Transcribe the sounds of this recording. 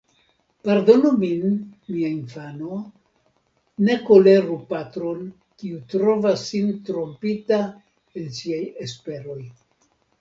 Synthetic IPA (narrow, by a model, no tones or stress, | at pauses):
paɾdo̞nominmiainfano̞ | ne̞ko̞le̞ɾupatɾo̞n | kiutɾo̞vasːintɾo̞mpita | ensiajespe̞ɾo̞j